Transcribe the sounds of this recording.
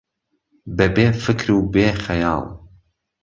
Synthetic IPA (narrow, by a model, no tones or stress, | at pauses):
bɛbeːfɨkɾuːbeːxɛjɑːlˠ